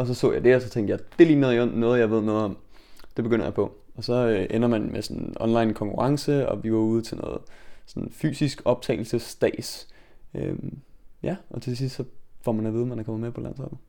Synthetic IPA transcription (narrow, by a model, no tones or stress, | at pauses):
ɒ̽s̬ɒ̽sɔ̰ːjɑɪde̝ɒsɒ̽t͡sʰeŋ̰d̥jɑaɪd̥e̝liɡ̥nəðˠiɔ̽n̰nɔ̽ːð̩ˠjɑ̈ɪʋe̝ð̞̰ˠnɔ̽ːð̩ˠɒ̽m | d̥e̝b̥eɡ̥øn̰ɐjɑ̈ɪpʰɒ̽ | ɒ̽sɒ̽øʔenɐmænmesɒnʔɒ̽nlɑ̈ɪnkʰɒ̽ŋkʰuʁɑ̈ŋsəɒ̽ʋiɡ̥ɒ̰ːuːð̞ˠt͡sʰe̝lnɔ̰̽ːð̩ˠsɔ̽nfy̰ːsisɡ̥ɒ̽b̥̚t͡sʰɛ̰ɪl̩səsd̥ɛ̰ːsømjæʔɒ̽t͡sʰe̝s̬isd̥sɒ̽fɒ̰mænæʋiːð̞ˠmænækʰɒ̽mɐmepʰɒlæn̰sɒb̥n̩